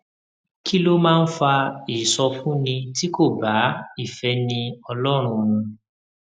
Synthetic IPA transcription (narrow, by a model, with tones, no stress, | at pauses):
kʰi˦lo˦mãː˦˧n̩˦fa˧i˨sɔ˧fũ˦nĩ˧ti˦ko˦˨ba˨˦i˦˨fɛ˨˦nĩ˧ɔ˧lɔ˦ɾ̃ũ˧ñũ˧